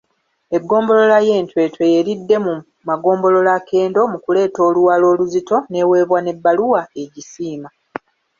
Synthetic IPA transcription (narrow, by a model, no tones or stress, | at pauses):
e̞ɡːo̞ːmbo̞lo̞laje̞ːntwe̞ːtwe̞jeɾidːe̞mu | maɡo̞ːmbo̞lo̞lake̞ːndo̞mukule̞ːto̞ːluwaːlo̞ːluzito̞ne̞we̞ːβwane̞bːaluwae̞ɟisiːma